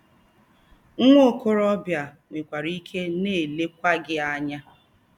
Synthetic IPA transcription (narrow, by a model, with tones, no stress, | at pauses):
ŋ̩˦ŋʷo˦˨ko˦ɾɔ˦bja˨ | ŋʷe˨kʷa˨ɾi˦kʰe˦ne˦˨le˦kʷa˦ɡɪ˦a˦ɲa˦